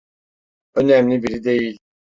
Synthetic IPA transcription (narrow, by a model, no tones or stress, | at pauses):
ønæmlʲibiɾid̪ejilʲ